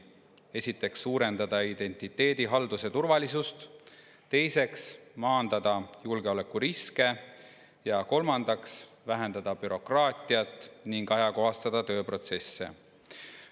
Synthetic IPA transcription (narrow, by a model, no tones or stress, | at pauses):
e̞sʲit̪ːˑe̞ksːuːɾe̞nd̪ɑd̪̥ɑid̪̥e̞nʲt̪ˑit̪ːe̞ːd̪̥iɦɑld̪use̞t̪urvɑlisust̪ | t̪e̞jse̞ksmɑːnd̪ɑd̪̥ɑjulɡ̥eo̞le̞kːuɾiske̞ | jɑko̞lmɑnd̪ɑks | væɦe̞nd̪ɑd̪̥ɑbyɾo̞krɑːt̪ˑiɑt̪ˑːniŋɡ̥ɑjɑko̞ɦɑst̪ɑd̪̥ɑt̪ø̞ːpro̞t̪se̞sːe̞̰